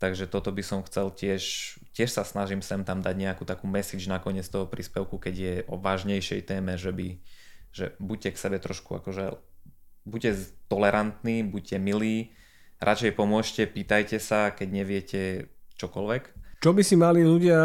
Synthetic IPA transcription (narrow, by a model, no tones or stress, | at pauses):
t̪aɡʒɛt̪ɔt̪ɔbisɔmxt͡sɛlcɪɛʃ | cɪɛʃsasnaʒimsɛmt̪amd̪aɟɲɛakuːt̪akuːmɛsiːd͡ʒnakɔɲɪɛt͡st̪ɔɦɔpɾʔiːspɛʊkukɛɟɪjɛʔɔʋaːʒɲɛjʃɛjt̪ɛːmɛʒɛbiʒɛbuccɛksɛbɛt̪ɾɔʃkua̰kɔʒɛ | buɟcɛt̪ɔlɛɾʔant̪niːbuɟ̚cɛmiliː | ɾʔat͡ʃɛjpɔmʊɔʃcɛpiːt̪ajcɛsakɛɟɲɛʋɪɛcɛt͡ʃɔkɔlʋɛkt͡ʃɔbisimaliluɟɪa